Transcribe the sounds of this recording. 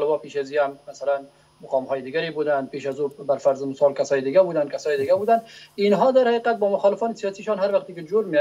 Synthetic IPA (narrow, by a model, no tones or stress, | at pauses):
lɪbɔpeʃazihammasalan | mʊqɑmhɔːjɪd̪ɪɡaɾebud̪an̚peʃazubaɾfaɾzɪmʊsɔlkasɒːjɪd̪ɪɡabud̪ankasɒːjɪd̪ɪɡabud̪aninɦɔd̪aɾhaiqat̪̚bɒmʊxɑlɪfɔnɪsijɒsiʃɑnɦaɾwaqt̪ekɪd͡ʒoɾme